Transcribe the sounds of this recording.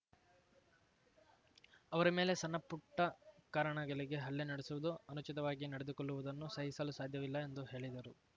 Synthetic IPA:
ɐʋɐɾɐme̞ːle̞sɐnːɐpːuʈːɐkaːɾɐɳɐɡɐɭiɡe̞ɦɐɭːenɐɽesuʋud̪uɐnut͡ʃit̪ɐʋaːɡinɐɽed̪ukɔɭːuʋud̪ɐnːusɐɦisɐlusaːd̪ʱjɐʋilːɐend̪uɦe̞ːɭid̪ɐɾu

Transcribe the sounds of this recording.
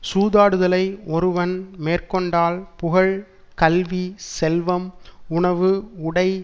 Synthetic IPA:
suːðaːɽɯðɐlɐɪʔɔɾɯʋɐnmeːrkɔɳɖaːlpʊɣɐɭ | kɐlʋisɛlʋɐmʊɳɐʋɯʊɽɐɪ

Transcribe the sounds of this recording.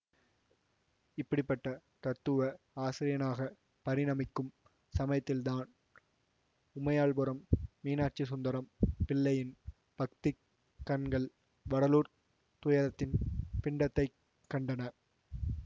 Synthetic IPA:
ɪpːɐɽɪpːɐʈːɐ | t̪ɐɾt̪ːɯʋɐ | aːsɪɾɪjɐnaːɣɐ | pɐɾɪnɐmɪkːɯm | sɐmɐjɐt̪ːɪlt̪aːn | ʊmɐjaːɭpɯɾɐmːiːnaːʈ̚t͡ʃisʊnd̪ɐɾɐmpɪɭːɐjɪn | pɐk̚t̪ɪ | kːɐnɡɐɭ | ʋɐɽɐluːɾ | t̪ʊjɐɾɐt̪ːɪnpɪɳɖɐt̪ːɐɪ | kːɐɳɖɐnɐ

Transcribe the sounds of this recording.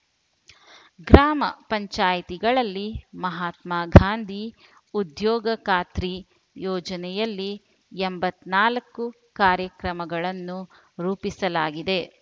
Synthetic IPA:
ɡɾaːmɐpɐɲt͡ʃaːjt̪iɡɐɭɐlːimɐɦaːt̪maːɡʱaːnd̪ʱi | ud̪jɔːɡɐkaːt̪ɾi | jɔːd͡ʒɐnɛjɐlːi | embɐt̪naːlɐkːu | kaːɾjɐkɾɐmɐɡɐɭɐnːu | ɾuːpisɐlaːɡid̪e̞

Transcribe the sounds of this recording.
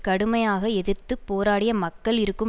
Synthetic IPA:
kɐɽɯmɐjaːɣɐɛðɯɾt̪ːɯpoːɾaːɽɪjɐmɐkːɐɭɪɾɯkːɯ

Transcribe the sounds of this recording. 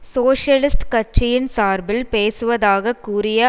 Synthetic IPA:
soːʂjɐlɪsʈkɐʈt͡ʃɪjɪnsaːɾbɪlpeːsɯʋɐðaːɣɐkːuːɾɪjɐ

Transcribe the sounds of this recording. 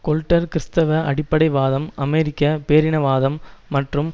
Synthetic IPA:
kɔlʈːɐɾkɪɾst̪ɐʋɐʔɐɽɪpːɐɽɐɪʋaːðɐmɐmeɾɪkːɐpeːɾɪnɐʋaːðɐmːɐʈrɯm

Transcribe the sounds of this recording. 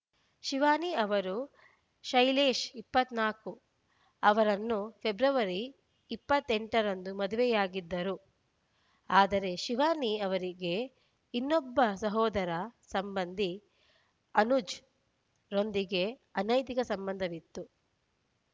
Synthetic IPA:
ʃiʋaːniɐʋɐɾu | ʃɐjleːʃipːɐt̪naːku | ɐʋɐɾɐnːupʰe̞bɾɐʋɐɾiː | pːɐt̪ːeɳʈɐɾɐnd̪umɐd̪uʋɛjaːɡid̪ːɐɾu | aːd̪ɐɾe̞ʃiʋaːniɐʋɐɾiɡe̞ | inːɔbːɐsɐɦɔːd̪ɐɾɐsɐmbɐnd̪ʱi | ɐnud͡ʒ | ɾo̞nd̪iɡe̞ɐnɐjt̪ikɐsɐmbɐnd̪ʱɐʋit̪ːu

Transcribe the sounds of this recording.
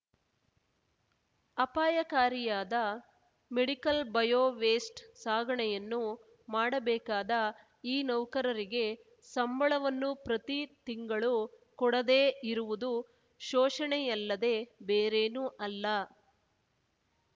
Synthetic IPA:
ɐpaːjɐkaːɾijaːd̪ɐ | meɽikɐlbɐjoːʋeːsʈsaːɡʱɐɳɛjɐnːu | maːɽɐbɛːkaːd̪ɐ | iːnɐwkɐɾɐɾiɡe̞ | sɐmbʱɐɭɐʋɐnːupɾɐt̪it̪iŋɡɐɭu | kɔɽɐd̪eːiɾuʋud̪u | ʃɔːʂɐɳɛjɐlːɐd̪e̞ːbeːɾeːnuʔɐlːɐ

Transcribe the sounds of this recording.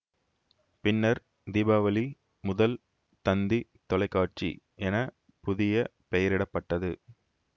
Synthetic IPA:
pɪnːɐɾ | d̪ibaːʋɐli | mʊðɐl | t̪ɐnd̪it̪ɔlɐɪkːaːʈ̚t͡ʃḭʔɛnɐ | pʊðɪjɐ | pɛjɐɾɪɽɐpːɐʈːɐðɯ

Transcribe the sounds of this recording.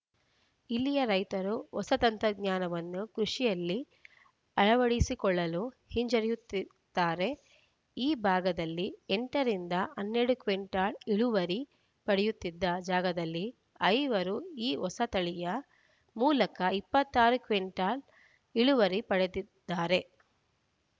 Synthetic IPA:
ilːijɐɾɐjt̪ɐɾuɔsɐt̪ɐnt̪ɾɐɡɲaːnɐʋɐnːukɾuʂijɐlːi | ɐɭɐʋɐɽisikɔɭːɐlu | hiɲd͡ʒɐɾɛjut̪ːid̪̥ːaːɾe̞ | iːbʱaːɡɐd̪ɐlːieɳʈɐɾind̪ɐɐnːeːɽukʋeɳʈaːliɭuʋɐɾi | pɐɽejut̪ːid̪ːɐd͡ʒaːɡɐd̪ɐlːi | ɐjʋɐɾuiːɔsɐt̪ɐɭijɐ | muːlɐkɐipːɐt̪ːaːɾukʋeɳʈaːl | iɭuʋɐɾipɐɽed̪id̪̥ːaːɾe̞

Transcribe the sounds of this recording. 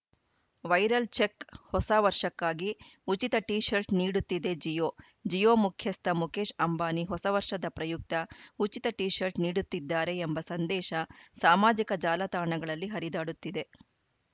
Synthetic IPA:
ʋɐjɾɐlt͡ʃekhɔsaʋɐɾʂɐkːaːɡiut͡ʃit̪ɐʈiːʃɐɾʈniːɽut̪ːid̪e̞d͡ʒijoː | d͡ʒijoːmukʰjɐst̪ɐmukeːʃɐmbaːniɦɔsɐʋɐɾʂɐd̪ɐpɾɐjuk̚t̪ɐut͡ʃit̪ɐʈiːʃɐɾʈniːɽut̪ːid̪ːaːɾe̞ːmbɐsɐnd̪ɛːʃɐsaːmaːd͡ʒikɐd͡ʒaːlɐt̪aːɾɳɐɡɐɭɐlːiɦɐɾid̪aːɽut̪ːid̪e̞

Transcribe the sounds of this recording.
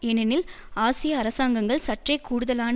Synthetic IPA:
ɛnɐnɪl | aːsɪjɐːɾɐsaːŋɡɐŋɡɐɭsɐʈrɐɪkːuːɽɯðɐlaːn

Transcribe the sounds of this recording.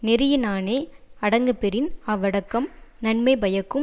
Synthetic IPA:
nɪɾɪjɐnaːneːɐɽɐŋɡɯpɛɾɪnaːʋɐɽɐkːɐmnɐɳmɐɪbɐjɐkːɯm

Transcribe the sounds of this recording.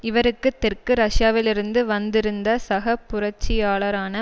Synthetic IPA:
ɪʋɐɾɯkːɯt̪ːɛrkɯɾɐʂjaːʋɪlɪɾɯnd̪ɯʋɐnd̪ɪɾɯnd̪ɐsɐɣɐpːʊɾɐt͡ʃːɪjaːɭɐɾaːnɐ

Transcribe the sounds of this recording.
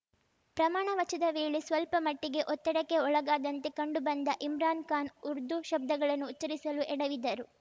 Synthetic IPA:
pɾɐmaːɳɐʋɐt͡ʃɐd̪ɐʋeːɭesʋɐlpɐmɐʈːiɡe̞ʔɔt̪ːɐɽɐkːe̞ɔɭɐɡaːd̪ɐnt̪ekɐɳɖubɐnd̪ɐʔimɾaːnkaːnuɾd̪uʃɐb̚d̪ɐɡɐɭɐnːuːtt͡ʃːɐɾisɐluʔɛɽɐʋid̪ːɐɾu

